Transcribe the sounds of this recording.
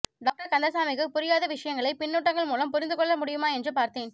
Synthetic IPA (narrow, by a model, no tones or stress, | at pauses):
ɖaːk̚ʈɐɾkɐnd̪ɐsaːmɪkɯpʊɾɪjaːðɐʋɪʂɐjɐŋɡɐɭɐɪpɪnːuːʈːɐŋɡɐɭmuːlɐmpʊɾɪnd̪ɯkɔɭːɐmʊɽɪjɯmaːɛndrɯpaːɾt̪eːn